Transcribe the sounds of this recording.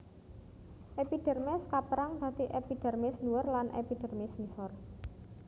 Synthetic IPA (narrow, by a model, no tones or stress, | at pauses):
ʔepiɖ̥ɛ̤rmɛskapɾaŋd̪̥a̤t̪iʔepiɖ̥ɛ̤rmɪsnuwərlanʔḛpid̥ɛ̤rmɪsmisɔr